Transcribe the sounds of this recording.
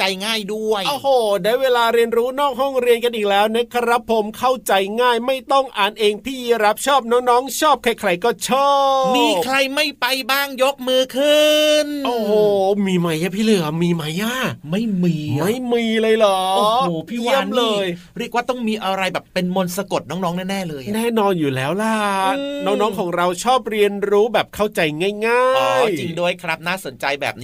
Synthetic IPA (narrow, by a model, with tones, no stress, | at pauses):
t͡ɕa˧jŋaː˥˩jdu˥˩əjʔoː˧˩hoː˨˩daː˧˥˩jweː˧laː˧ɾi˧ənɾuː˦˥nɔː˥˩k̚ɦɔ˥˩ŋɾi˧ənka˧nʔiː˨˩k̚lɛː˦˥wnɛː˦˥˩kʰa˧ɾa˦˥pʰːo˨˩˦mkʰa˥˩wt͡ɕa˧jŋaː˥˩jma˥˩jt̪ɔ˥˩ŋʔaː˨˩nʔeː˧ŋpʰiː˥˩˧ɾa˦˥p̚t͡ɕʰɔː˥˩p̚nɔː˦˥ŋnɔː˦˥ŋt͡ɕʰɔː˥˩p̚kʰɛː˥˩kʰɾa˧jkɔː˥˩t͡ɕʰɔː˥˩miː˧p̚kʰɾa˧jma˥˩jpa˧jbaː˥˩ŋjo˦˥k̚mɯː˧kʰɯ˥˧nʔoː˨˩hoː˨˩miː˧ma˦˥jʔa˧˩pʰiː˥˩lɯ˧˩ɐmiː˧ma˦˥jʔa˧˩ma˥˩jmiː˧ma˥˩jmiː˧lɤː˧jlɔː˩˦˧hoː˨˩˦pʰiː˥˩wi˥˩ə˦mlɤː˧j | ɾi˥˩ək̚waː˥˩t̪ɔ˥˩ŋmiː˧ʔa˧ɾa˧jbɛː˨˩pːe˧nmo˧nsa˧ko˨˩t̪̚nɔː˦˥ŋnɔː˦˥ŋnɛː˥˩nɛː˥˩lɤː˧jʔan˨ɛː˥˩nɔː˧njuː˨˩lɛː˦˥wla˧˩nɔː˦˥ŋnɔː˦˥ŋkʰɔː˩˦ŋɾa˧wt͡ɕʰɔː˥˩p̚ɾi˧ənɾuː˦˥bɛː˨˩p̚kʰa˥˩wt͡ɕa˧jŋaː˥˩jŋaː˥˩ʔɔː˨˦jt͡ɕi˧ŋdu˥˩əjkʰɾa˦˥p̚naː˥˩so˨˩˦nt͡ɕa˧jbɛ̰ː˨˩p̚ni˦˥